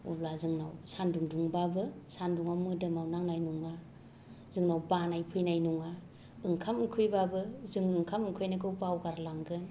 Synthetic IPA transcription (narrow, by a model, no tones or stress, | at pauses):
ublazɯŋnawsanduŋduŋbabɯsanduŋawmɯdɯmawnaŋnajnuŋa | zɯŋnawbanajpʰɯjnajnuŋa | ɯŋkʰamɯkʰɯjbabɯzɯŋɯŋkʰamɯŋkʰɯjnɯkʰɯwpawɡaɾlaŋɡɯn